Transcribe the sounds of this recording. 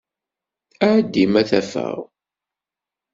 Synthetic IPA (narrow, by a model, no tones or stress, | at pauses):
æʕd̪ːimæθæfə̰ʁ